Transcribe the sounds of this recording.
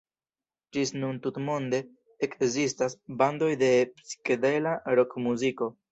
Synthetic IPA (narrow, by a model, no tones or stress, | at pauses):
d͡ʒisnuntutmo̞nde̞ː | kzistasbando̞jde̞psi̥kedelaɾo̞kmuziko̞